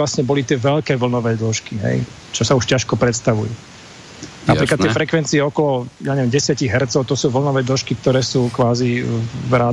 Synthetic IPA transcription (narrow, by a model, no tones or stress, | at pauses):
lasɲɛbɔlit̪ɪɛʋɛʎkɛːʋl̩nɔʋɛːd̪lɔʃkiɦɛ̰j | t͡ʃɔsauʃcaʃkɔpɾɛt̪st̪aʋṵju | napɾiːklat̪ːjɛɛfɾɛkʋɛnt͡siɛɔkɔlɔjaːɲɛʋjɛmɟɛsɪaciɣɦɛɾt̪t͡sɔʊt̪ɔsuːʋl̩nɔʋɛːd̪lɔʃkik̚t̪ɔɾɛːsuːkʋaːzivɾa